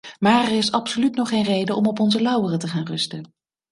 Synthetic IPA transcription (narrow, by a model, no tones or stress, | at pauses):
maːɹɛɹɪsɑpsolytnɔχejnrejdəʔɔmɔpɔnzəlɑwərətəχaːnrɵstən